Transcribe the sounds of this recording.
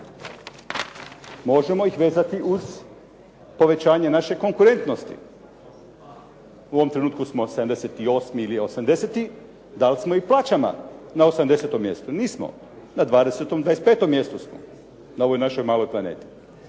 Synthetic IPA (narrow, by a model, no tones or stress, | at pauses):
mo̞ʒe̞mo̞ixʋe̞ːzat̪iuz̥ | po̞ʋe̞t͡ɕaːɲenaʃe̞ko̞ŋkuɾe̞nt̪nost̪ḭ | uoʋomt̪ɾe̞nuːt̪kusmo̞sed̪amd̪eset̪io̞smiiliosamd̪e̞set̪i | d̪alsmo̞iplˠaːt͡ɕama̰nao̞samd̪e̞set̪o̞mːje̞st̪uniːsmo̰ | nad̪ʋaːd̪e̞set̪o̞md̪ʋajest̪pe̞ːt̪o̞mːje̞st̪usmo̰ | nao̞ʋojnaʃo̞jmaːlo̞jplˠane̞̰ːt̪i̥